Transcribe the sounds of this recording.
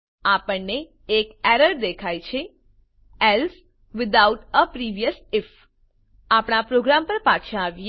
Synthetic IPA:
apəɳneː | kɛɾəɾd̪ekʰajt͡ʃʰe | ɛls | ʋɪd̪awʈəpɾiʋijəsɪf | apɽ̃apɾoɡɾampəɾpat͡ʃʰʃʰãːʋj

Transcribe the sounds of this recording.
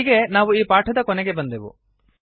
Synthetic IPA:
iɡe̞naːʋuiːpaːʈʰɐd̪ɐkɔnɛɡe̞bɐnd̪eʋṵ

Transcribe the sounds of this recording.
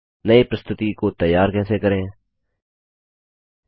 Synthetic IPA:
nəeːpɾəst̪ʊt̪ikoːt̪əjːaːɾkɛːseːkəɾẽː

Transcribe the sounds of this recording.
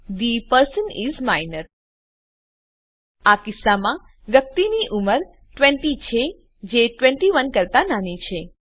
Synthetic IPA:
d̪ipəɾsənizmajnəɾ | akɪsːamã | ʋjək̚t̪iniʔuməɾ | ʈʋɛ̃ɳʈit͡ʃʰe | d͡ʒeʈʋɛ̃ɳʈiʋənkəɾt̪ananit͡ʃʰe

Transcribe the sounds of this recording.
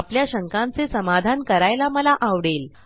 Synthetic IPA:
apljaɕəŋkãnt͡sesəmad̪ʱankəɾajlaməlaʔaʋɽel

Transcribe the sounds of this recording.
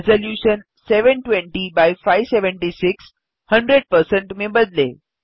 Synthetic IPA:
zoljuɕən | seʋəɳʈʋeɳʈibajfajʋseʋəɳʈisiks | həɳɖɾeɖ̚pəɾsəɳʈmebəd̪lḛ

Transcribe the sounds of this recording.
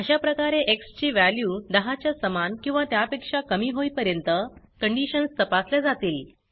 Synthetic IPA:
əɕapɾəkaɾeʔekst͡ɕiːʋæljuːd̪əɦat͡ɕjasəmankĩw̃ʋat̪japekʂakəmiːɦoipəɾjənt̪ə | kəɳɖiɕənst̪əpasljad͡zat̪iːl

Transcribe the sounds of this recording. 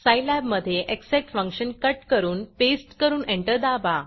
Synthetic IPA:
sajlæbməd̪ʱːjeʔekseʈfə̃ŋkɕənkəʈkəɾuːnpesʈkəɾuːnẽɳʈəɾd̪aʋa

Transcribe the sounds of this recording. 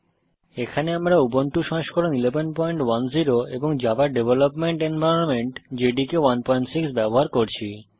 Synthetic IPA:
ekʰaneamɾaubonʈuʃɔ̃ɦeʃkɔɾonilebenpɔjɳʈwanziɾoḛboŋd͡ʑabaɾɖebʱelopmeɳʈenbʱajɾonmeɳʈd͡ʑeɖikewanpɔiɳʈsiksbɛboɦaɾkoɾt͡ɕʰi

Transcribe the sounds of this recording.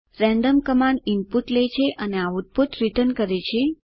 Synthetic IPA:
ɾɛ̃ɳɖəmkəmaɳimpuʈlet͡ʃʰeʔəneaud̪̚bʱut̪ɾit̪ənkəɾet͡ʃʰe

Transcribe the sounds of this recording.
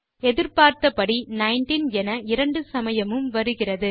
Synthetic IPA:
ɛðɪɾpaːɾt̪ɐpɐɽinɐɪnʈinɛnɐɪɾɐɳɖɯsɐmɐjɐmɯmʋɐɾɯɣɪrɐðɯ

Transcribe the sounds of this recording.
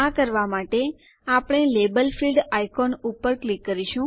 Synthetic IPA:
akəɾʋamaʈe | apɳ̃elebəlfilɖajkɔnupːəɾklikːəɾiʃũ

